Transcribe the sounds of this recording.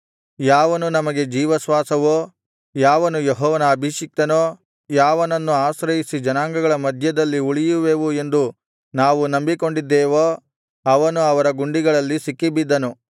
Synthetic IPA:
jaːʋɐnunɐmɐɡe̞d͡ʒiːʋɐsʋaːsɐʋo | jaːʋɐnujeɦɔːʋɐnɐːbʱiʂik̚t̪ɐnoː | jaːʋɐnɐnːuaːsɾɐjisid͡ʒɐnaːŋɡɐɡɐɭɐmɐd̪ʱjɐd̪ɐlːiuɭijuʋeːʋue̞nd̪u | naːʋunɐmbiko̞ɳɖid̪ːɛːʋoː | ɐʋɐnuɐʋɐɾɐɡuɳɖiɡɐɭɐlːisikːibid̪ːɐnu

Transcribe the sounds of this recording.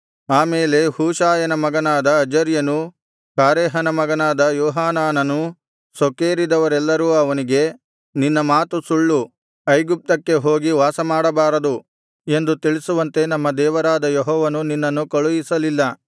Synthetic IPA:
aːmeːle̞huːʃaːjɐnɐmɐɡɐnaːd̪ɐːd͡ʒɐɾjɐnu | kaːɾeːɦɐnɐmɐɡɐnaːd̪ɐjɔːɦaːnaːnɐnu | sokeːɾid̪ɐʋɐɾɛlːɐɾuːɐʋɐniɡe̞ | ninːɐmaːt̪usuɭːu | ɐjɡup̚t̪ɐkːe̞ɦo̞ːɡiʋaːsɐmaːɽɐbaːɾɐd̪u | e̞nd̪ut̪iɭisuʋɐnt̪e̞nɐmːɐd̪ɛːʋɐɾaːd̪ɐjeɦɔːʋɐnuninːɐnːukɐɭujisɐlilːɐ

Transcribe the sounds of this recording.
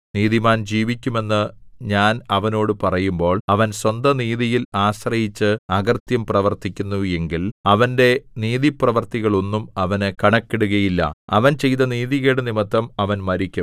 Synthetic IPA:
niːðimaːnd͡ʑiːʋikʲːume̞nːɨɲaːnɐʋɐno̞ːɽɨpɐrɐjumbo̞ːɭɐʋɐnswɐnd̪ʱɐniːðijilaːɕrɐjit͡ɕːɨɐɡɐrt̪jɐmprɐʋɐrt̪ikʲːunːue̞ŋɡilɐʋɐnde̞niːðiprɐʋɐrt̪iɣɐɭo̞nːumɐʋɐnekɐɳɐkːeɽuɣɐjilːɐ̰ɐ̰ʋɐnt͡ɕe̞jt̪ɐniːðiɣeːɽɐnimɐt̪ːɐmɐʋɐnmɐɾikʲːum

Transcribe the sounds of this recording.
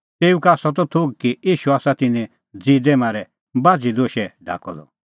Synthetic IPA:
t̪eːukaːsɔt̪̬ɔt̪ʰoɡ̚kijiːʃuaːsat̪ɪnɛ̃ | d͡zid̪ɛmãːɾɛ | baːd͡zid̪oːʃɛɖʱa̰ːkɔ̰d̪ɔ̰

